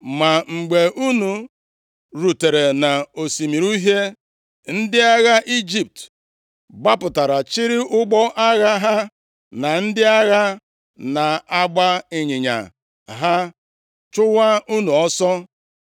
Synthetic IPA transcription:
ma˨ŋ͡m̩˨ɡ͡be˨ʔu˦nu˨ | ɾu˨te˨ɾe˨na˨o˨si˨mi˨ɾu˦ɦe˦ | n̩˦dɪ˦a˦ɣa˦ʔi˦d͡ʒi˨p̚t | ɡ͡ba˦pʊ˨ta˨ɾa˨t͡ʃi˦ɾɪ˦ʔʊ˦ɡ͡bɔ˦ʔa˦ɣa˦ɦa˦ | na˨n̩˦dɪ˦a˦ɣa˦ | na˨a˦ɡ͡ba˦ɪ˨ɲɪ˨ɲa̰˨ | ɦa˦ | t͡ʃʊ˦wa˦u˦nu˨ɔ˦sɔ˦

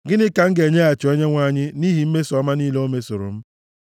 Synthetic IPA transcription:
ɡɪ˦nɪ˦ka˨ŋ̩˦ɡe˨ɲe˦a˨t͡ʃɔ˨e˦ɲe˦ŋʷa˦˨ɲɪ˦ni˦ɦi˨m̩˦me˦sɔ˦ma˦niː˦lo˦me˦so˨ɾo̰˨m̩˦

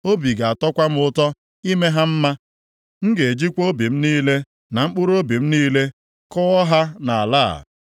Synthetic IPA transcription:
o˦bi˨ɡa˨a˨tɔ˦kʷa˦m̩˦ʊ˦tɔ˦ | i˦me˦ɦa˦m̩˦ma˦ | ŋ̩˦ɡe˨e˨d͡ʒi˦kʷo˦bi˨m̩˦niː˦le˦ | na˨ŋ͡m̩˦k͡pʊ˦ɾo˦bi˨m̩˦niː˦le˦ | kɔ˦ɔ˦ɦa˦na˨a˨la̰ː˦˨

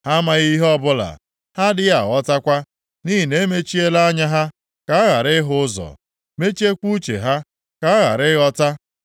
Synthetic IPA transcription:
ha˦ma˨ɣi˦ɦɔ˦bʊ˦la̰˨ | ha˦dɪ˦a˨ɣɔ˦ta˦kʷa˦ | ni˦ɦi˨ne˦me˦t͡ʃi˦e˦la˦ɲa˦ɦa˦ | ka˨˦a˦ɣa˨ɾɪ˦ɦʊ˦ʊ˦zɔ̰˨ | me˦t͡ʃi˦e˦kʷu˦t͡ʃḛ˨ɦa˦ | ka˨˦a˦ɣa̰˨ɾɪ˦ɣɔ˦ta˦

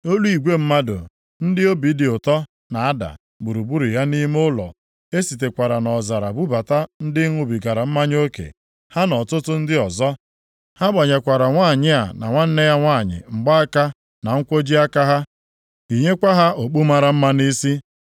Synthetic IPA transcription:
o˦lu˦i˨ɡʷe˦m̩˦ma˦dʊ̰˨ | n̩˦dɪ˦o˦bi˨˦dɪ˨ʊ˨tɔ˦ | na˨a˦da̰˨ | ɡ͡bu˨ɾu˨bu˦ɾu˨ja˦ni˦m˦ʊ˦lɔ̰˨ | e˦si˨t̬e˨kʷa˨ɾa˨nɔ˨za˨ɾa˨bu˦ba˨ta˦n̩˦dɪ˦ŋʷʊ˦˨bi˨ɡa˨ɾa˨m̩˦ma˦ɲ˦o˦kḛ˨ | ha˦nɔ˨tʊ˦tʊ˦n̩˦dɪ˦ɔ˨zɔ˦ | ha˦ba˨ɲa˨kʷa˨ɾa˨ŋʷaː˦˨ɲɪ˦a˨na̰˨ŋʷa˦n̩˦ne˦ja˦ŋʷaː˦˨ɲɪ̰˨ŋ͡m̩˨ɡ͡ba˦a˦ka˦ | na˨ŋ̩˦kʷo˦d͡ʒi˦a˦ka˦ɦa˦ | i˨ɲe˦kʷa˦ɦa˦ʔo˨k͡pu˦ma˦ɾa˨m̩˦ma˦ni˦si˦

